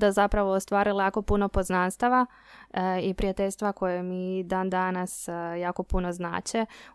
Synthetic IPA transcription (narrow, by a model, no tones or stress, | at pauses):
d̪azapɾaʋoːst̪ʋaːɾilajaːko̞puno̞po̞znanst̪aʋa | ipɾiat̪eʎʲst̪ʋako̞jemid̪aːnd̪anasjaːko̞punozna̰ːt͡ɕe